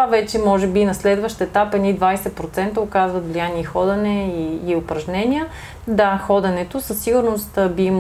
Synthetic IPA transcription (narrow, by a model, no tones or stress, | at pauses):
avɛt͡ʃɛmɔʒɛbinɐslɛd̪vəʃt̪ɛt̪apɛnid̪vajsɛpɾot̪sɛnt̪əokazvət̪vlʲijaniɛixɔd̪ɐnɛiːopɾɐʒnɛnʲijə | d̪axɔd̪ɐnɛt̪osəsːiɡʊɾnost̪biim